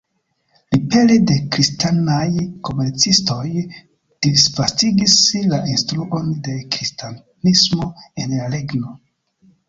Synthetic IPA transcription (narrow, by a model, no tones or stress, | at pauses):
lipe̞lide̞kɾistanajko̞me̞ɾt͡sisto̞j | d̥isfastiɡislaʔinstɾuʔo̞nde̞kɾista | nismo̞e̞nlaɾe̞ɡno̞